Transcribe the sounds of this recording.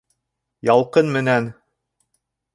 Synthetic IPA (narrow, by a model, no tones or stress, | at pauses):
jɑlˠqɤnmɘ̆næn